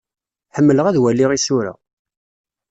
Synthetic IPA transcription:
ħəmːələʁæðwælːiʁisʊɾæ̰

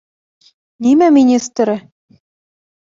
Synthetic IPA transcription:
limæmʲinʲist̪ɾɘ̆

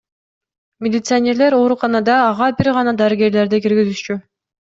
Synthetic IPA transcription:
mʲɪlʲɪt̪sɨanʲe̞ɾle̞ɾo̞ːɾuqɑnɑd̪ɑːʁɑbiɾʁɑnɑd̪ɑɾiɡʲe̞ɾle̞ɾd̪ikiɾɡizyʃt͡ʃy

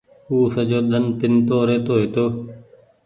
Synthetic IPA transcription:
huːsəd͡ʒoːɗ̪ənpɪnt̪oːɾeːt̪oːɦeːt̪oː

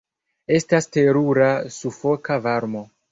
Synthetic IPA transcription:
e̞staste̞ɾuɾasufo̞kavaɾmo̞

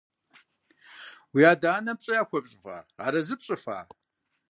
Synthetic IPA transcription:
wiaːdaːnɐp̚ɕʼɐjaːxʷɔpɕʼfa̰ːaːɾɐzɨpɕʼɨfa̰ː

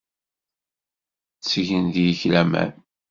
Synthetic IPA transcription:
t͡sːʝənd̪jəçlæmæ̰n

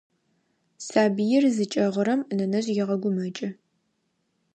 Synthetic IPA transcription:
saːbijɪrzɨt͡ʃʼɐʁʷʊɾɐmnɐnɐɕʼjɪʁɐɡʷʊmɐt͡ʃʼɐ

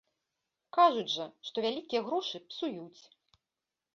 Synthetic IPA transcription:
kaʐud͡zʲʐɐʂt̪ɔvʲalʲikʲijɐɣɾɔʂɨpsujut͡sʲ

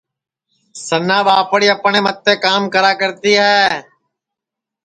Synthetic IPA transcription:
sənãːbaːpɽiːəpɳẽːmət̪ːeːkaːmkəɾaːkəɾt̪iːɦɛː

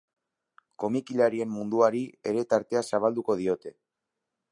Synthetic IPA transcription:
ko̞mikilaɾie̞mːund̪uaɾie̞ɾe̞t̪aɾt̪e̞asaβ̞ald̪uko̞ð̞io̞t̪e̞

